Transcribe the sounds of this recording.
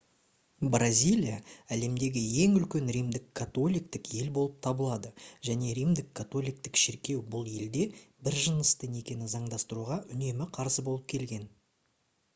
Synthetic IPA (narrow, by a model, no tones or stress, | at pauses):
brazʲijlʲijaæle̞md̪e̞ɡʲɪje̞ŋʏlkʲe̞nɾijmd̪ɪkʰːat̪o̞lʲijk̚t̪ɪkje̞lbo̞lˠəp̚t̪ʰɑbəlˠɑd̪əʒ̥æne̞ɾijmd̪ɪkʰːat̪o̞lʲijk̚t̪ɪkʃɪɾkʲe̞wbʊlˠe̞ld̪e̞bɪɾʒənəst̪əne̞kʲe̞nɪzɑɴd̪ɑst̪əɾuʁɑʔʏne̞mɪqʰɑɾsəbo̞lˠəp̚kʲʰe̞lɡʲe̞n